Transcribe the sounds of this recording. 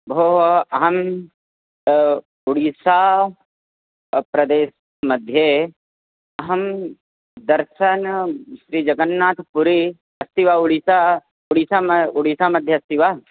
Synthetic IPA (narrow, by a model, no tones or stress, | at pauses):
bʱoːɦɐɐɦɐm | uɽisaː | pɾɐd̪eːs | mɐd̪ʱje | ɐɦɐm | d̪ɐɾʃɐnʃɾiːd͡ʒɐɡɐnːaːt̪ʰpuɾi | ɐst̪iʋaːuɽisa | uɽisaːuɽisaːmɐd̪ʱjɐɐst̪iʋaː